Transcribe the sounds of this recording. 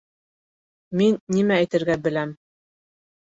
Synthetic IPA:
minːimæːjt̪ɘ̆ɾɡæbɘ̆læm

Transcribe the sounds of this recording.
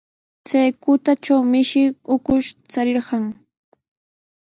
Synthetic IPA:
t͡sajkʊt̪at͡ʃawmɪʃɪʊkʊʃt͡saɾɪɾɢɑŋ

